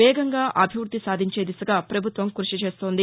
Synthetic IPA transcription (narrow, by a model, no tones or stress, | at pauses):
ɛːɡɐŋɡaːʔɐbʱiʋɾud̪ʱːisaːd̪ʱiɲt͡ʃe̞ːd̪isɐɡaːpɾɐbʱut̪ʋɐmkɾuʂit͡ʃe̞ːt̪o̞ːnd̪i